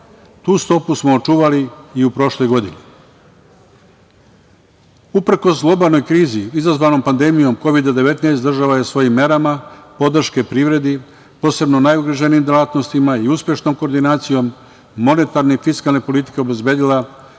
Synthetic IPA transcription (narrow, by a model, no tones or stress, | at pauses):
t̪uːst̪o̞pusmoːt͡ʃuːʋaliiupɾo̞ʃlo̞jɡo̞d̪ine | upɾko̞sɡlˠo̞balˠnojkɾiːziizazʋano̞mpand̪e̞mijo̞mko̞ʋid̪ad̪e̞ʋe̞t̪najst̪d̪r̩ʒaʋajesʋo̞jimːe̞ɾamapo̞d̪r̩ʃke̞pɾiːʋɾe̞d̪i | po̞ːse̞bnonajuɡɾaʒenimd̪elaːt̪nost̪imaiuspʲje̞ʃno̞ːmkoɾd̪inaːt̪sijo̞mː | o̞ne̞t̪aɾnefiskalne̞po̞lit̪i̥ke̞obe̞zbe̞ːd̪ila